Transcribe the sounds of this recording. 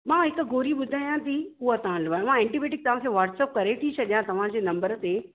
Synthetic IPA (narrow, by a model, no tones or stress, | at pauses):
mãːɦɪkɡʱoːɾiɓʊd̪ʱaːjãt̪iuət̪ɐʋãlɐʋaːj̃mãɛ̃ɳʈibeːʈɪk̚t̪ɐʋ̤ãkʰeːʋaːʈseːp̚kɐɾet̪ʰit͡ɕʰɐɗjãt̪ɐʋ̤ãd͡ʑeːnɐ̃mbəɾət̪eː